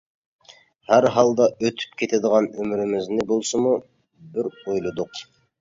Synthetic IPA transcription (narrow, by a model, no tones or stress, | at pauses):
hæɾɦɑlˠd̪ɑʔøt̪ʰy̥pkʲʰet̪ʰed̪əʁɑnømɪɾɪmɪznɪbolˠsəmu | bɪɾojlˠud̪ʊq